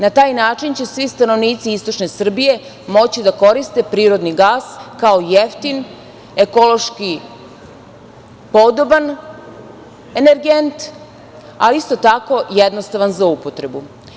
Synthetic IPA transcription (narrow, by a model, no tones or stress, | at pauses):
nat̪aːjnaːt͡ʃint͡ɕe̞sʋist̪ano̞ʋniːt̪siist̪o̞t͡ʃne̞sr̩bije̞ | mo̞t͡ɕid̪ako̞ɾist̪e̞pɾiːɾo̞d̪niɡaːskaojeft̪in | e̞ko̞lˠo̞ʃki | po̞d̪o̞ban | e̞neɾɡent̪ | aliist̪o̞t̪ako̞jed̪nost̪aʋanzloupo̞t̪ɾe̞bu